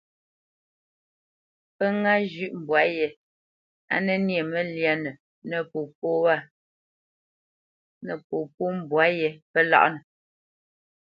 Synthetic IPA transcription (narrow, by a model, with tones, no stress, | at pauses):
pə˦ŋa˦d͡ʒʉ˦ʔm̩˨bwa˨˦jɛ˨ | a̰˦nə˦nje˨mə˨lja˨nə˨ | nə˨po˨p̚o˦wa˦˨ | nə˨po˨po˦m˨bwa˨˦jɛ˨pə˦la̰˦ʔnə˨